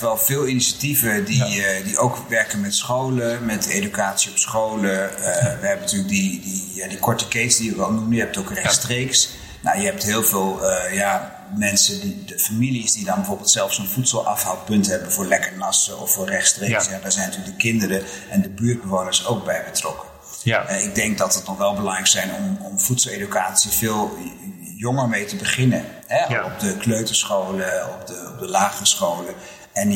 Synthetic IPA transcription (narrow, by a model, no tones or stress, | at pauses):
ʋɛlˠvɪːlˠiniʃativədidiʔowkʋɛɹkənmɛtsχowləmɛtḛdykaːtsiɔpsχowləəʋəɦɛbənətyːlək̚didijadikɔɹtəkejtsdijəkʋɛlˠnuməjəɦɛp̚towkrɛχstrejks | na̰jəɦɛp̚tɦɪːlˠvɪːlˠəja | mɛnsədidəfamilisdidɑnbəvoːɹbɪlˠtsɛlˠfsonvutsəlˠʔɑ̰fɦawpɵntɦɛbənvʊːɹlɛkəɹnɑsəɔ̰fːʊːɹrɛχtstresjadaːɹzɛjnɑtyːlək̚dəkɪndəɾəʔɛndəbyːd̚bəʋoːnəɹsowk̚bɛjbətrɔkə | ɛɪɡ̚dɛŋk̚dɑtətnɔχʋɛlˠbəlɑŋrɛjksɛjnɔ̰mɔmfutsəlˠedykaːtsivɪːlˠ | jɔŋəɹmejtəbəχɪnə | ɦɛɔp̚dəkløɥtəsχowləɔp̚dəɔp̚dəlaːχəsχowlə | ɛn